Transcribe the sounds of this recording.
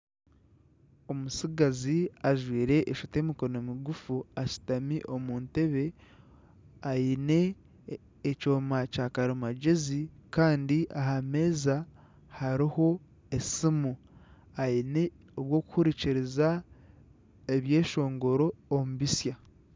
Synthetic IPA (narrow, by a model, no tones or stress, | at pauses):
o̞musiɡaziaʒwiːɾe̞ʔːʃute̞ːmiko̞no̞miɡufuasi̥tamiʔo̞muːnte̞βe̞ | ajine̞ː | t͡ʃo̞ːmacaːkaɾomaɟezikaːndiʔaɦame̞ːza | haɾiho̞ | esimu | ajine̞ | oβwo̞ːku̥huɾiciɾiza | eβje̞ːʃo̞ːŋɡo̞ɾo̞ːmuβisja